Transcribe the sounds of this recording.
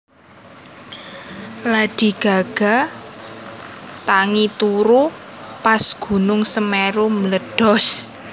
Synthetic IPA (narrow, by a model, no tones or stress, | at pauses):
lad̪̥i̤ɡ̥a̤ɡ̥a̤ | t̪aŋit̪uɾupasɡ̥ṳnʊŋsəmeɾomləɖ̥ɔ̤s